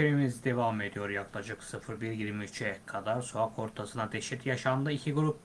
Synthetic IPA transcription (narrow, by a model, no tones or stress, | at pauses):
eɾimizid̪e̞vame̞d̪ijo̞ɾjaklˠad͡ʒɯksɯfɯɾbiɾjiɾmiyt͡ʃɛkʰad̪aɾsoakʰo̞ɾt̪ʰasɯnad̪eʃit̪jaʃand̪ɯicʰiɡuɾup